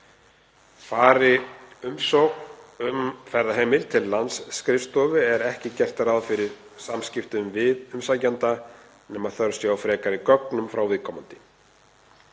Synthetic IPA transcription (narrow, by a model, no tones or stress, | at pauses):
faːɾɪʏmsɔɣʏmfɛɾðaɦeːjmɪlt̪ʰɪlːansːkɾɪfst̪ɔːvɪɛɾɛhcɪcɛr̥t̪aɾaðfɪɾɪɾ̥ | samscɪft̪ʏmvɪðʏmsaːjcant̪a | nɛːmaðθœɾsjɛawfɾɛːkaɾɪkœknʏmfɾawvɪðkʰɔːmant̪ɪ̥